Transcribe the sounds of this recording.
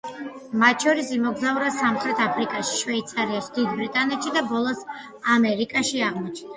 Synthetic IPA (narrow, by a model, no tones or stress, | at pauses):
mat̪ʃɔɾisimɔɡzauɾasamχɾɛt̪ʰapʰɾikʼaʃi̥ʃvɛit̪sʰaɾiaʃd̪id̪bɾit̪ʼanɛt̪ʃid̪abɔlˠɔs | amɛɾikʼaʃiaʁmɔt͡ʃʰna